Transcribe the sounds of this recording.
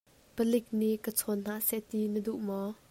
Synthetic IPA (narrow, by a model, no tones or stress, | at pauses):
pəlɪk̚niʔkət͡sʰɔn̥aʔsɛʔt̪inəduʔmɔ